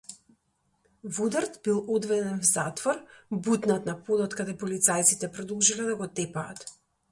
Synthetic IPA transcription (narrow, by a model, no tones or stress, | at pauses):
vud̪aɾt̪bilˠɔd̪vɛd̪ɛnvza̰t̪vɔɾbut̪nat̪napod̪ɔt̪kad̪ɛpɔlit̪sajt̪sit̪ɛpɾɔd̪olˠʒilɛd̪aɡɔt̪ɛpaːt̪